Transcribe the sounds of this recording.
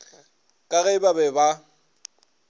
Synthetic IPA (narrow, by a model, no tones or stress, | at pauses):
kʼaɣɛɪbabɛba